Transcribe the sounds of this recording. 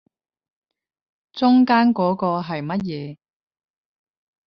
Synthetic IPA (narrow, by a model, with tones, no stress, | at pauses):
t͡sʊ˥ŋkaː˥nkɔː˨˥kɔː˧ɦɐ˨jmɐ˥t̚jɛː˨˧